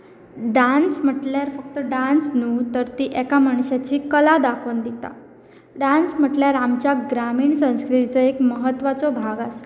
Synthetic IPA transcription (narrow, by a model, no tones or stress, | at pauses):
ɖansm̤əʈljaɾfək̚t̪əɖansnuːt̪əɾt̪iːʔɛkamaɳɕjat͡ɕiːkəlad̪akʰond̪it̪a̰ | ɖansm̤əʈljaɾamt͡ɕjaɡɾamiːɳsə̃ñskɾit̪it͡sɔekməɦət̪ːʋat͡sobʱaɡas